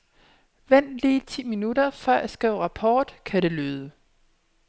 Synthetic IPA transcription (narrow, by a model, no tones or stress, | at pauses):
ʋen̰liːt͡sʰḭːminuɾɐfɶɐʔæsɡ̥ʁɛːʊʁɑ̈pʰɒːd̥kʰæɾe̝løːðˠə